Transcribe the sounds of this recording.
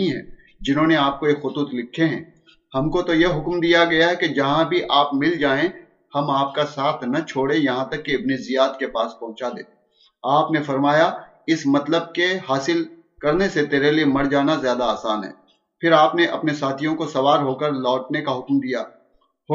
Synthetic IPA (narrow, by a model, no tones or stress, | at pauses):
ĩɦɛ̰̃ː | d͡ʒɪnɦõːneaːp̚kojekxʊt̪uːt̪lɪkʰːeɦɛ̃ː | hɐmkot̪ojeɦʊkmd̪ijaɡɐjaɦɛked͡ʒɐɦãbʱiʔaːpmɪld͡ʒaːẽ | hɐmaːp̚kasaːt̪ʰnɐt͡ʃʰoːɽejɐɦãt̪ɐkːeɐbnizijaːt̪kepaːspɐ̃ɦʊ̃t͡ʃad̪ḛː | aːpnefɐɾmaːja | ɪsmɐt̪ləb̚keɦaːsɪl | kɐɾneset̪eːɾeliemɐɽd͡ʒaːnazjaːd̪aaːsaːnɦɛ̰ː | pʰɪɾaːpneʔɐ̰pnesaːt̪ʰijõkosɐʋaːɾɦoːkəɾlɔːʈnekaɦʊkmd̪ija̰ː | hʊ